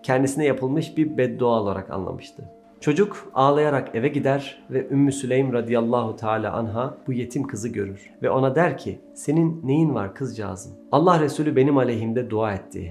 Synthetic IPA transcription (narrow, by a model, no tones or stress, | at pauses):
cʰɛnd̪isinɛjapʰɯlˠmɯʃbiɾbɛt̪̚d̪oaolˠaɾa̰ka̰nlˠa̰mɯʃt̪ʰɯ | t͡ʃʰo̞d͡ʒukaːlˠajaɾake̞vɛɟid̪æɾvɛʔymːysylʲejmɾad̪ijalˠːaːɦut̪ʰaːlʲa̰ːʔanɦab̥uje̞t̪ʰimkʰɯzɯɟø̞ɾyɾ̥vɛo̞nad̪æɾcʰi | se̞ninːe̞jinva̰ɾkʰɯzd͡ʒa̰ːzɯalˠːahɾesuːlʲybe̞nimalʲeɦimd̪ɛd̪uaːɛt̪ʰːḭ